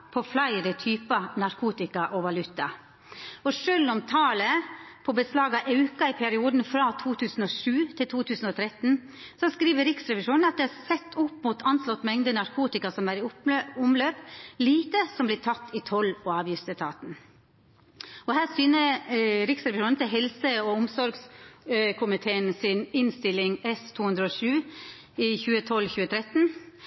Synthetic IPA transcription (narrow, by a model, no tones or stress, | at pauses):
pʰɔflæɪɾət̪ʰyːpənɑɾkʰuːt̪ɪkɑʔɔʋɑlʉt̪ɑ | ɔʂølʊmt̪ʰɑːləpʰɔbəslɑːɡɑʔɑʉkɑɪpʰɛɾɪuːd̪n̩fɾɑt̪ʰuːt̪ʰʉːsn̩ɔʂʉːt̪ʰɪlt̪ʰuːt̪ʰʉːsn̩ɔt̪ʰɾɛt̪n | sɔskɾiːʋəɾɪksɾɛʋɪʂuːnnɑt̪̚d̪ɛhæɾsɛt̪ːʊpːmʊt̪ʰɑnslɔt̪ːmɛŋd̪ənɑɾkʰuːt̪ɪkɑsɔmæɾɪʊʊmløːpliːt̪əsɔmblɪtʰɑt̪ːɪt̪ʰɔlːoɑːʋjʏst̪ət̪ʰɑːt̪n | ɔhæːɾsyːnəɾɪksɾɛʋɪʃuːnn̩t̪ʰɪlɦɛlsəɔʊmsɔɾɡs | kʰʊmɪt̪ʰeːənsɪnɪnst̪ɪlɪŋɛst̪ʰuːhʉnd̪ɾəɔʂʉː | ɪçʉːət̪ʰɔlːçʉːət̪ʰɾɛt̪n̩